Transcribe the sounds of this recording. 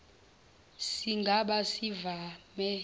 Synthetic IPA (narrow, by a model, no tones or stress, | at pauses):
siŋɡʱaɓasivamɛ